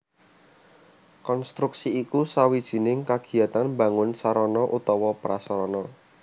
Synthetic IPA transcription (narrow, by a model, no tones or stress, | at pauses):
kɔnst̪ɾuksiːkusawid̥ʒ̥i̤nɪŋkaɡ̥i̤at̪anmba̤ŋʊnsaɾɔnɔʔut̪ɔwɔpɾasɔɾɔnɔ